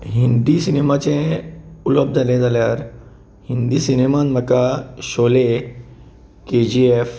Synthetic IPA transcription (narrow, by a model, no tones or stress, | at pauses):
ɦind̪iːsinemat͡sẽuləb̚d͡zʱalẽd͡zaljaɾ | hind̪iːsinemãnm̤əkaɕole | ked͡ʑief